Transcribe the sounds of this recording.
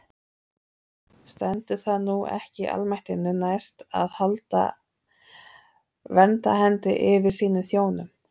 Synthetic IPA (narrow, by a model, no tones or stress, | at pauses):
st̪ɛnt̪ʏθaðnuɛ̰hcɪʔa̰lmajht̪ɪnːʏnajst̪a̰ðhalt̪a̰ | vɛnt̪aɦɛnt̪ɪʔɪvɪɾ̥siːnʏmθjoːwnʏm